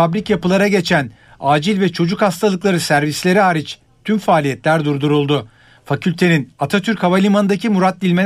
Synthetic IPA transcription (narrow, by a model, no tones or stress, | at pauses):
abɾicjapɯlˠaɾaɟe̞t͡ʃʰæn | aːd͡ʒilʲvɛt͡ʃʰo̞d͡ʒukhast̪ʰalˠɯklˠaɾɯsæɾvislʲe̞ɾiaːɾit͡ʃ | t̪ʰymfaːlʲijɛt̪lʲæɾd̪uɾd̪uɾulˠd̪ʊ | facʰylʲt̪ʰe̞ninat̪ʰat̪ʰyɾchavalʲimanɯd̪acʰimuɾat̪̚d̪ilʲme̞l